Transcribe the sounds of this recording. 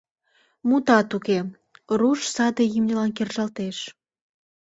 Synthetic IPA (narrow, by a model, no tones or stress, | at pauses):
mut̪ɑt̪uke | ruʃsɑd̪ejimnʲə̆lɑnkerʒɑlt̪eʃ